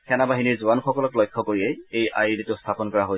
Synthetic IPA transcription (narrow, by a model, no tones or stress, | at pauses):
kʰɛnabaɦiniɹzuanxɔkɔlɔklɔjkʰːɔkoɹiɛejʔa̰jiditʊstʰapɔnkɔɹaɦoj